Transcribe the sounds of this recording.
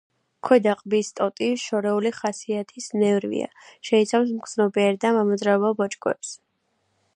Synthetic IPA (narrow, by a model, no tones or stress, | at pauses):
kʰwɛd̪aqʼbist̪ʼɔt̪ʼiʃɔɾɛuliχasiat̪ʰisnɛvɾvḭa̰ʃɛit̪sʰafs̬mkʰʼz̥nɔbiɛɾd̪amamɔzɾaɔbabɔt͡ʃʼɡʼwɛ̰ps